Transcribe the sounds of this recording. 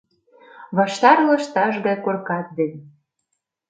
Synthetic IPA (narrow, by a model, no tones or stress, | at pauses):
βɑʃt̪ɑrlɤ̆ʃt̪ɑʒɣɑjkorkɑt̪̚d̪enʲ